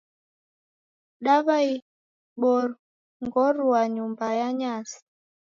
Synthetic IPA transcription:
ɗaβai | ɓɔɾ | ŋɡɔɾuaɲumbajaɲasi̥

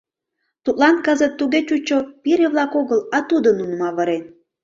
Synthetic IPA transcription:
t̪ut̪lɑnkəzət̪ːuɣet͡ɕut͡ɕopiɾeβlɑkoɣəlɑt̪ud̪ənunmɑβəɾen

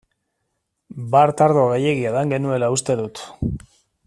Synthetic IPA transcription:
baɾt̪aɾðo̞ɣeje̞ɣiaðaŋɡe̞nue̞laust̪e̞ðut̪

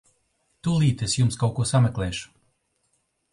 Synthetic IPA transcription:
t̪ulˠiːt̪esjumskawkuɔsamʲɛklʲˠɛːʃu̥

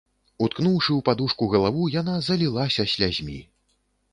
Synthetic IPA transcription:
ut̪knuwʂɨwpad̪uʂkuɣɐlˠavujanazɐlʲilˠasʲɐsʲlʲazʲmʲḭ

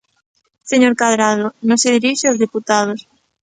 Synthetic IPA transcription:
seɲoɾkaðɾað̞onõseðiɾiʃeozðiput̪að̞os

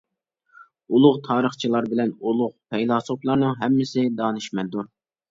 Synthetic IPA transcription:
ulˠʊʁt̪ʰɑːɾəχt͡ʃʰilˠɑɾbɪlɛnulˠʊʁpʰɛjlˠɑsoplˠɑɾnɨŋɦɛmːɪsɪd̪ɑːnɨʃmɛd̪uɾ

